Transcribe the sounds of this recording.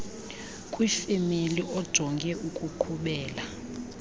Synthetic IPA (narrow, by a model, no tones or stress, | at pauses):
kʼwifemeliʔɔd̥ʒ̥ʱɔŋɡʱɛʔukʼuǃʰuɓɛːla